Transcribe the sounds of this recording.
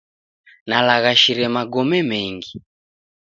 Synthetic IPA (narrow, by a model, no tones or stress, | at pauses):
nalaɣaʃiɾɛmaɡɔmɛmɛŋɡi